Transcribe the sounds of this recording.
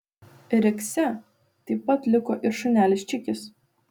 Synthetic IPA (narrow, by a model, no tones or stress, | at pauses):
ɾʲɛksʲɛ | t̪ɐɪpːɐt̪lʲɪkoːʔɪɾʃʊnʲæːlʲɪsʲt͡ʃʲɪkʲɪs